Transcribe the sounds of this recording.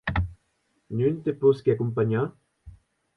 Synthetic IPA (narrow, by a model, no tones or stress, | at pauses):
nynt̪eposkeakumpaɲa